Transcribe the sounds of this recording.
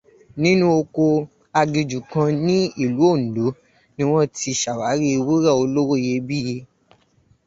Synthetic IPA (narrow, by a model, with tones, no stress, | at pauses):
nĩ˦nũ˦o˧ko˧ | a˧ɡi˧d͡ʒu˨kã˧nĩ˦i˦˨lu˨˦o˦˨n̩˨du˨˦ | nĩ˦w̃ɔ̃˦ti˧˨ʃa˨wa˨˦ɾi˦˧wu˦ɾa˦˨o˧lo˦ɾo˦˨je˧bi˦˨je˧˦